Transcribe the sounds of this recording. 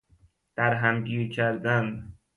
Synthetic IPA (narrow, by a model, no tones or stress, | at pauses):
d̪̥æɾɦæmɟiːɾcʰæɾd̪æn